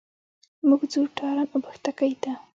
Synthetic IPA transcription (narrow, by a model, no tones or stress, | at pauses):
muɡd͡zuɾʈʰɑɾɑnobaxt̪akajt̪a